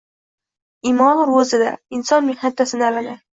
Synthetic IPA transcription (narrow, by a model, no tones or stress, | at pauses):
imɒnɾozɪd̪a̰ɪnsɒnmehnat̪ʰːasɪnɪalad̪ɪ